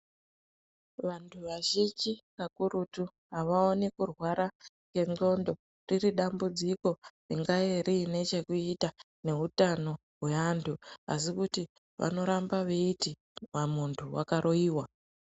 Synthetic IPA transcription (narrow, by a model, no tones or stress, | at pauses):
ʋantʰuʋaʒid͡ʒikakuɾutu | ɦaʋaonikurwaɾa | ŋe̞ŋɡo̞ndo̞ | ririɗambud͡ziko̞riŋɡajeɾine̞t͡ʃe̞kuita | ne̞ɦutano̞ | ɦwe̞antʰuasikuti | ʋa̰no̞ɾambaʋeiti | ʋamuntʰuwakaɾo̞iːwa